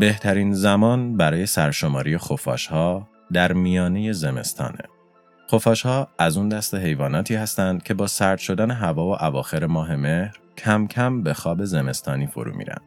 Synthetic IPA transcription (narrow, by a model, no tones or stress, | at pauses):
be̞ht̪ʰæɾinzæmɒːnbæɾɒːje̞sæɾʃo̞mɒːɾijexo̞fɒ̰ːʃhɒː | d̪æɾmijɒːne̞je̞ze̞me̞̰st̪ʰɒ̰ːnḛ | xofɒːʃhɒːæzund̪æst̪e̞ɦe̞jvɒːnɒːt̪ʰiːhæst̪ænd̪̥̚cʰe̞bɒːsæɾd̪̥ʃo̞d̪æneɦævɒːvo̞ʔævɒːxe̞ɾe̞mɒːɦe̞me̞hɾcʰæmcʰæmbe̞xɒːbe̞ze̞me̞st̪ʰɒːniːfo̞̰ɾṵːmḭːɾæ̰nd̪̥